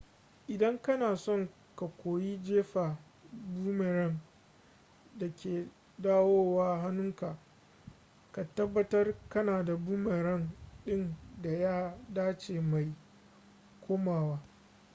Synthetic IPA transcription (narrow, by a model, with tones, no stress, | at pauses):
ʔɪ˨dɐ˦ŋkɐ˦naː˨sɔ˦ŋ | ka˨kʷoː˨jiː˦d͡ʒeː˦ɸa˨ | buː˦me˨ɾɐ˦n | da˨kʲeː˨ | daː˦woː˦waː˦ɦa˦nʊ˦ŋka˨ | ka˨tɐ˦bːɐ˦tɐ˦rkɐ˦naː˨da˨buː˦me˨ɾɐ˦nɗɪ˦nda˨jaː˦daː˦t͡ʃeː˨ma˨j | kʷoː˦maː˨waː˦